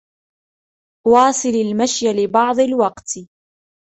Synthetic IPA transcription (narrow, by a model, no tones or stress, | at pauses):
wɑːsˤɨlalmaʃjalɪbɑʕd̪ˤɪlwɑqt̪